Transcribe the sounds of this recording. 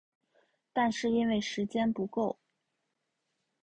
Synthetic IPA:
t̪a˥˧nʂɻ̩˥˩i˥nwe˥˩ɪʂɻ̩˧˥t͡ɕjɛ˥npu˧˥ko˥˩ʊ

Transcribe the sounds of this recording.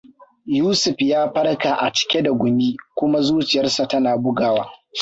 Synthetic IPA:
juː˦sʊ˨ɸjaː˦ɸɐ˦rka˨ʔa˨t͡ʃɪ̥˨kʲe˦da˨ɡʷʊ˨miː˦kʷʊ˦ma˦zuː˦t͡ʃɪ˨jɐ˦rsa˨tɐ˦naː˨bʊ˦ɡaː˨waː˦

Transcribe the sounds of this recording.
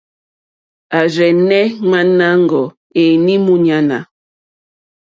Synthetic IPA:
a˨zɛ˨nɛ˦ŋa˦na˦ŋ˨ɡɔ˨ | e˨ni˦mu˦ɲa˨na̰˨

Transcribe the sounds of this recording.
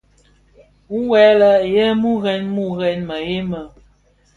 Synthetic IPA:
wu˦wɛ˨˦lə˦˨je˦mu˦ɣɛ˦nmu˦ɣɛ˨nmə˨je˦mə˨

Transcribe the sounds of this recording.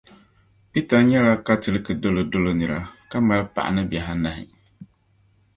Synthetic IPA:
pi˦ta˨ɲɛ˦la˦ka˦tɨ˨lɨ˦kɨ˨do˦lo˨do˦lo˦nɨ˨ɾa˨ka˦ma˦lpa̰˨ʔa̰˨nɨ˦bjɛ˨ɦa˦na˨ɦɪ̰˨

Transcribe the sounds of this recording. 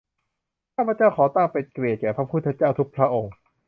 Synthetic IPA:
kkʰaː˥˩pʰɾa˧t͡ɕaː˥˩wkʰɔː˩˦t̪aː˥˩ŋpe˨˩kɾi˨˩ət̪̚kɛː˨˩pʰɾa˦˥pʰu˥˩t̪ʰːa˧t͡ɕaː˥˩wt̪ʰu˦˥k̚pʰɾa˦˥ʔo˧ŋ

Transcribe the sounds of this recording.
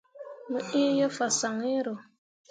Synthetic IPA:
mə˦ʔi˦jə˦fa˨sa˨ŋe˦ɾo˨

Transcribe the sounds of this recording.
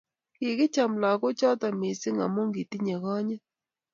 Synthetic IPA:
ki˨kɪ˦t͡ʃa˨mla˨kʊ˦t͡ʃɔ˦ta˨mi˨sɪ˦ŋa̰˨mo˦ŋɡi˨ti˦ɲe˨ɣɔ˦ɲɛ˦

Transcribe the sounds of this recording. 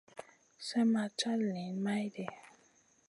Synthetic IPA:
sɛ˦ma˧t͡ʃa˦lli˨˦nma˦jdɛ˨

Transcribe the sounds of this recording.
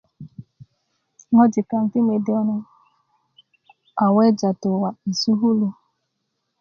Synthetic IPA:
ŋɔ˦d͡ʒɪ˨ka˨ŋ̩˨ti˦me˨dɪ˦ɔ˦nɔ˦ | a˨wɛ˦d͡ʒa˨tʊ˨wa˨i˨su˦ɦu˦lu˦

